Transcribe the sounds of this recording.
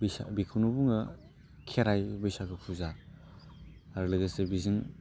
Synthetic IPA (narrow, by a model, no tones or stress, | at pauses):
bsa̰bikʰunubuŋɯ | kʰeɾajbɯjsaɡɯpʰuza | ɾlɯɡesebizɯŋ